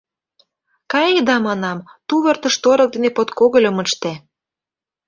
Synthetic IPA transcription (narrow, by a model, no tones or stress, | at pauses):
kɑjed̪ɑmɑnɑmt̪uβə̆rt̪ə̆ʃt̪oɾɤ̆k̚d̪enepot̪koɣə̆lʲə̆mə̆ʃt̪e